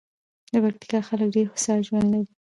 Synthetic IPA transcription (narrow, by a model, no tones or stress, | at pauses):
d̪əpak̚ʈ̪i̥kɑxaləkɖeɾxʊsɑʒwand̪laɾi